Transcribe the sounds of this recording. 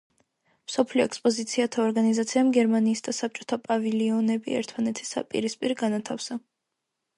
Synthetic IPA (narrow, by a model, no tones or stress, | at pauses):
msɔpʰliɔɛkspʼɔzit̪sʰiat̪ʰaɔɾɡanizat̪sʰiamɡɛɾmaniːsd̪asap̚t͡ʃʼɔt̪ʰapʼaviliɔnɛbḭɛ̰ɾt̪ʰmanɛt̪ʰi̥sa̰pʼḭɾispʼiɾɡanat̪ʰafsa